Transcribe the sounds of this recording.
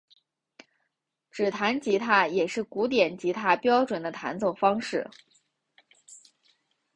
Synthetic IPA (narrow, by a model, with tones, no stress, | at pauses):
ʈ͡ʂɻ̩˨˩t̪ʰa˧˥nt͡ɕi˧˥t̪ʰa˥˩jɛ˨˩ʂɻ̩˥˩ku˧˥t̪̬jɛ˨˩nt͡ɕi˧˥t̪ʰa˥˩pjɑ˥ʊʈ͡ʂwə˨˩nd̪ə˦t̪ʰa̰˧˥nt͡so˥˩ʊfɑ˥ŋʂɻ̩˥˩